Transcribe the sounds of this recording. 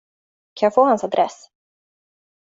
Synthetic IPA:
kʰanjɑfoːhansad̪ɾʔɛs

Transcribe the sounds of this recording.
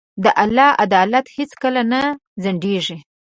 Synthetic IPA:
d̪əʔalːɑa̰d̪ɑlat̪het͡skəlana | zaɳɖeʐi

